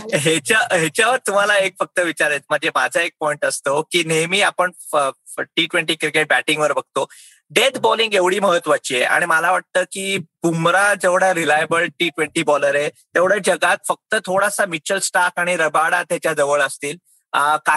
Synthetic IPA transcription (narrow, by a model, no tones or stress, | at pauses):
ɦet͡ɕaɦet͡ɕjaʋəɾt̪um̤alaekfək̚t̪əʋit͡ɕaɾet̪m̤əɳd͡zemad͡zʱəek̚pɔiɳʈəst̪okiːnemiːapəɳ | ə | ʈiʈʋeɳʈiːkiɾkeʈ̚bæʈiŋɡʋəɾbəɡ̚t̪o | ɖed̪bɔliŋɡeʋɽ̤iːməɦət̪ʋat͡ɕiːjeʔa̰ɽ̃iməlaʋaʈ̚t̪əːkiːbumɾad͡zeʋɽaɾilajbəɭʈiːʈʋeɳʈiːbɔləɾet̪eʋɽəd͡ʑəɡat̪̚fək̚t̪ət̪ʰoɽasamit͡ɕəlsʈakaɽ̃iɾəbaɽa̰t̪jat͡ɕjad͡zəʋəɭəst̪iːl | əka